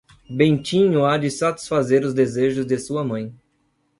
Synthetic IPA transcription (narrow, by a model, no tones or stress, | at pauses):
bẽt͡ʃĩɲʊad͡ʒɪsat͡ʃi̥sfazeɾʊzd̪ezeʒʊzd̪ɪsuɐmɐ̃j̃